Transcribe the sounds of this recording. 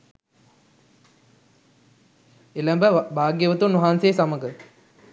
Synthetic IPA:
elæmbəbaːɡjəʋət̪unɐɦaːnsejsaməɡə

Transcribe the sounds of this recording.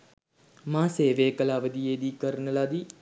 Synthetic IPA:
mãːseːʋeːkəlaːʋəd̪ijeːd̪ikəɾnəlad̪i

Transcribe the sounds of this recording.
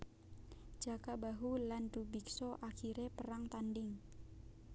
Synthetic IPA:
d͡ʒakabaɦulandubiksɔʔakiɾepəɾaŋt̪andɪŋ

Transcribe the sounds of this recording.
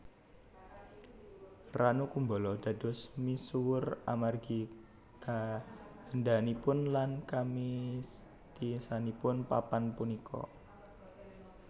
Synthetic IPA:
ranukumbɔlɔd̥a̤d̥ɔ̤smisuwʊra̰marɡi | kahənd̪anipʊnlankami | t̪isanipʊnpapanpunikʰɔ̰

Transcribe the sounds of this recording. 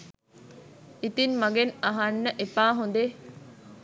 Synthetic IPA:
it̪inmɐɡenɐɦɐnːɐʔepaːɦund̪e

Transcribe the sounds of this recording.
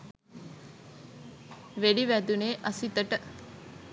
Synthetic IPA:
ʋeɖiʋæd̪uneːʔɐsit̪ɐʈə

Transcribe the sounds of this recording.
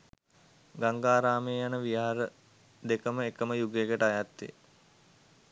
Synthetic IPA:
ɡaŋɡaːɾaːmeːjanəʋijaːaɾə | d̪ekəməekəməjuɡeɡəʈəajat̪ːḛ

